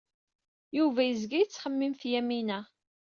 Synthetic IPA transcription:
juvæjəzɡijət͡sːχəmːimθjæminæ

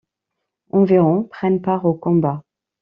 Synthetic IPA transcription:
ɑ̃viʁɔ̃pχɛnpaʁokɔ̃ba

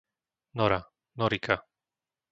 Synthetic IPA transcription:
nɔɾa | nɔɾika

